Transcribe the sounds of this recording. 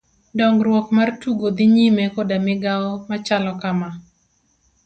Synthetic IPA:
dɔŋɡɾwɔkmartuɡod̪iɲimekodamɪɡaɔmat͡ʃalɔkama

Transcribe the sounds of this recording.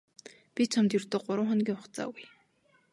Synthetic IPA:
pʲit͡ɕʰamt̪jɵr̥t̪oːɢʊɾʊ̆ːŋχɔnɡʲiːŋʊχt͡sa̰ːɡuj

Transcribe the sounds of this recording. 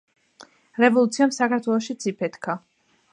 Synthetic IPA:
ɾɛvɔlˠut̪sʰiamsakʰaɾt̪ʰwɛlˠɔʃit̪sʰipʰɛt̪kʰa

